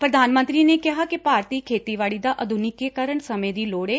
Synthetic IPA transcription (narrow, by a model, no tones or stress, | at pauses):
pɾəd̪aːnmə̃nt̪ɾiːneːkɪɦaːkɪpaːɾt̪iːkʰeːt̪iːʋaːɭiːd̪aːʔəd̪ʱʊnɪkekəɾəɳsəmẽːd̪iːloːɽeː